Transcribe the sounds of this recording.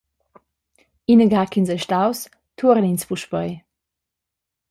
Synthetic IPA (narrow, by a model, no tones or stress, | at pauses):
inəɡaːkinzɛjʃtaws | tʰuəɾəninspuʃpəj